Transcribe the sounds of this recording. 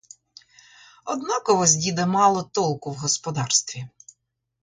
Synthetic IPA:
ɔd̪nɑkɔɦɔzʲdʲid̪ɐmɑlˠɔt̪ɔlˠkʊwɦɔspɔd̪ɑrst̪ʋʲi

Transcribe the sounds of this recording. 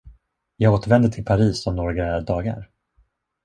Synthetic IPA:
jɑːɡoːt̪əɾvɛnd̪ət̪ʰɪlpʰaɾiːsɔmnɔːɾɡɾaæɾd̪ɑːɡa̰ɾ

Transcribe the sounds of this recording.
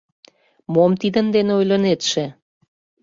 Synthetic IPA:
momt̪id̪ənd̪eneojlʲənet̪ʃĕ

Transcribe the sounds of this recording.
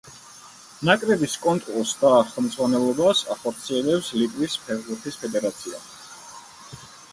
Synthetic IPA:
nakʼɾɛbiskʼɔnt̪ʼɾulˠsd̪aχɛlˠmd̪z̥ʁwanɛlˠɔbasaχɔɾt̪sʰiɛlɛpslit̪ʼwispʰɛʁbuɾt̪ʰispʰɛd̪ɛɾat̪sʰia

